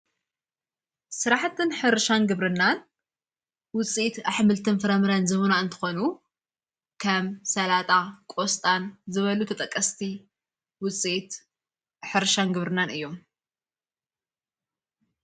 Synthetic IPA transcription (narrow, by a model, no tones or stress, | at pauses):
sɨɾaħt̪ʰɨnħɨɾʃanɡɨβɾɨnːan | wʊt͡sʼiit̪aħmɨlt̪ʰɨnfɨɾɐmɨɾanzɨβunaɨnt̪ʰɨ̥xo̞nu | kʰɐmsɐlat̪ʼakʼost̪ʼanzɨβɐlut̪ʰɐt̪ʼɐkʼːɐst̪ʰi | wʊt͡sʼiʔit̪ | ħɨɾʃanɡɨβɾɨnːanʔɨjːo̞m